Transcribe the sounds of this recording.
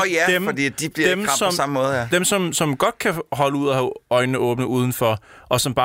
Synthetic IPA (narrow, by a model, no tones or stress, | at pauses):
jæd̥emɒd̥ḭːd̥ib̥liɐemʰsɒ̽sɑ̈məmɔːð̩ˠjd̥emsɒ̽msɒ̽mɡ̥ɒ̽d̥̚kʰæɦɒ̽ləuð̞̰ˠɒhæɒ̽ɪnːəʔɔ̽ːb̥nəʔuːð̞ˠn̩fɒʔɒ̽sɒ̽mb̥ɑ̈ː